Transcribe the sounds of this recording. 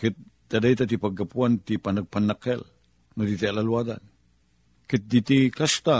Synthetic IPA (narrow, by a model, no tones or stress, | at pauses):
kɪt̪̚d̪adajt̪at̪ipaɡapuant̪ipanaɡ̚panakɛl | nud̪it̪ialalwada̰n | kɪt̪̚d̪it̪ikast̪a